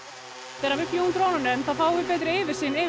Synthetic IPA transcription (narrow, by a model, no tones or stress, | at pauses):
t̪ɛɾavʏpjunt̪ɾoːwnanʏnθaðfaːwvɪpɛːt̪ɾɪɪvɪɾ̥sɪːnɪ